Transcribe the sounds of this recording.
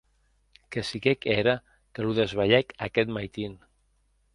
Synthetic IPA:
kəsikɛkeɾə | kəluðəzβaʎɛkakɛt̪majt̪in

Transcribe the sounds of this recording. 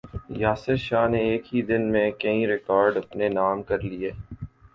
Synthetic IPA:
jaːsɪɾʃaːɦneːkɦid̪ɪnmẽkɐĩɾɪkɔːɾɖɐpnenaːmkɐɾlieː

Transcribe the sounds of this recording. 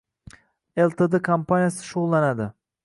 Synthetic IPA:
elˠt̪ʰed̪ekʰampʰanjasɪ̥ʃoʁlˠːanad̪ɪ

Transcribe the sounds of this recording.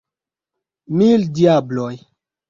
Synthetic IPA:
mildiabloj

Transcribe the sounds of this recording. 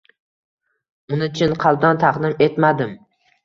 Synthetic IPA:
ʊnɪt͡ʃʰɪnqʰɑlˠd̪ant̪ʰɑqd̪ɪme̞t̪mad̪ɪm

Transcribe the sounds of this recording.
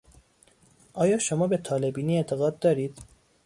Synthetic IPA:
ʔɒːjɒːʃomɒːbe̞t̪ʰɒːle̞biːniːe̞ʔt̪ʰe̞ɣɒːd̪̚ːɒːɾiːd̪̥

